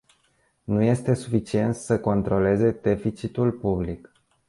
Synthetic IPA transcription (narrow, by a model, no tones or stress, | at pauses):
nuje̞st̪e̞sufit͡ʃie̞nt̪səko̞nt̪ɾo̞le̞ze̞d̪e̞fit͡ʃit̪ulpublik